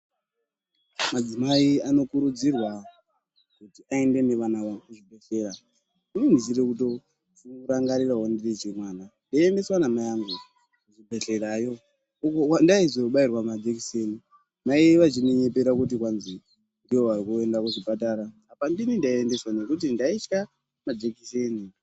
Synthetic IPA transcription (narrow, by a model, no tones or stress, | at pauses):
mad͡zimaiano̞kuɾud͡zirwa | kutiʔae̞nde̞ne̞ʋanaʋakuʐibʱe̞ɬe̞ɾa | ininziɾekuto̞ | tinuɾaŋɡaɾiraɦondiret͡ʃemwaːnandaende̞swanamajaŋɡu | kuʐibʱe̞ɬe̞ɾajo̞ | uko̞kwandaizoɓairwamad͡ʒekiseni | maiʋat͡ʃimeɲepeɾakut̬ikwanzi | ndiwo̞ʋarikue̞ndakuʐipataɾaːpandinindaiende̞swane̞kut̬indait͡ʃka | mad͡ʒekiseːni